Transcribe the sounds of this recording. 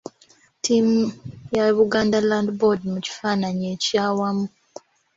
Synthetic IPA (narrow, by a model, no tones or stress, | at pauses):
timjaβuɡaːndalandbodmuci̥faːnaɲecaːwamu